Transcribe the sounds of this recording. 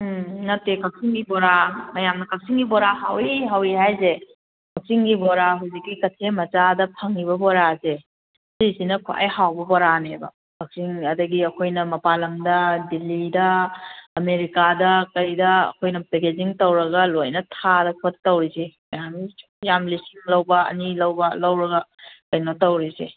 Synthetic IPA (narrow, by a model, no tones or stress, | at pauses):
nɐtːekɐk̚siŋɡiboɾamɐjamnɐkɐk̚siŋɡibɔɾaɦawiɦawiɦajze | kʰɐk̚siŋɡiboɾaɦuzikːikɐtʰemɐt͡ʃadɐpʰɐŋiβɐboɾase | sisinɐkʰoʔa̰jhawbɐbɔɾanebɐ̰ | kɐk̚siŋɐdɐɡiɐkʰojnɐmɐpalɐmdɐdilːidɐː | meɾikadɐkɐjdɐɐ̰kʰojnɐpeked͡ʒiŋtɐwɾɐɡɐlojnɐtʰadɐkʰottːɐwɾisimɐjami | jamlisiŋlɐwbɐɐ̰nilɐwbɐlɐwɾɐɡɐkɐjnɐtɐwɾise